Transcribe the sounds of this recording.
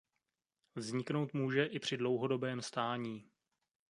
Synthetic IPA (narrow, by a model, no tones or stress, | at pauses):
vzɲɪkno̞wt̪muːʒɛʔɪpr̝̥ɪdlo̞wɦo̞do̞bɛːmst̪aːɲiː